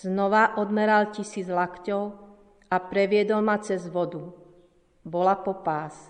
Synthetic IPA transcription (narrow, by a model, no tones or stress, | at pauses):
znɔʋaʔɔd̪mɛɾalcisiːd͡zlakcɔʊ | apɾɛʋɪɛd̪ɔlmat͡sɛzʋɔd̪u | bɔlapɔpaːs